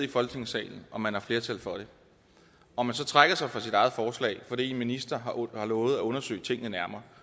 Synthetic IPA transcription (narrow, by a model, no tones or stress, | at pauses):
ifɒ̽lɡ̥ne̝ŋsɛ̰ɪln̩ɒ̽mænhɑ̈fle̝ɐt͡sʰæl̰fɒ̽ɾ̥e̝ | ɒ̽mænsɒ̽t͡sʰʁaɡ̥ɐsɑ̈ɪfʁɑ̈sid̥ɑ̈ɪð̩ˠfɒːslɛ̰ɪfɒ̽d̥ḭːenminisd̥ɐɦɑhɑ̈lɔ̽ːʊð̩ˠæɔ̽nɐsø̰ɪt͡sʰe̝ŋ̰nənæɐmɐː